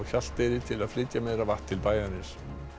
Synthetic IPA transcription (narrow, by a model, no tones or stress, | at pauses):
çal̥t̪ɪɾɪt̪ʰɪlaðflɪc̪jameðɾavaht̪ʰːɪlpaːjðanɪs